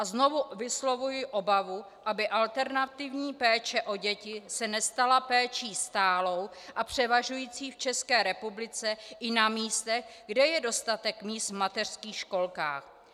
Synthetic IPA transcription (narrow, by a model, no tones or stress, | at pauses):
ʔazno̞vuvɪslo̞vujɪʔo̞bavu | ʔabɪʔalt̪ɛɾnat̪ɪvɲiːpɛːt͡ʃɛʔo̞ɟɛcɪsɛnɛst̪alapɛːt͡ʃiːst̪aːlo̞wʔapr̝̥ɛvaʒujiːt͡siːft͡ʃɛskɛːɾɛpublɪt͡sɛʔɪnamiːst̪ɛɣɡdɛjɛdo̞st̪at̪ɛkmiːst̪vmat̪ɛr̥skiːxʃko̞lka̰ːx